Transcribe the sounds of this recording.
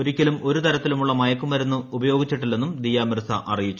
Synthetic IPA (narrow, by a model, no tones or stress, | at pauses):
oɾikʲːɐlumo̞ɾut̪ɐɾɐt̪ːilumuɭːɐmɐjɐkːumɐɾunːuubɐjo̞ːɡit͡ɕːiʈːilːe̞nːumd̪ijaːmirsɐ̰ʔɐrijit͡ɕːu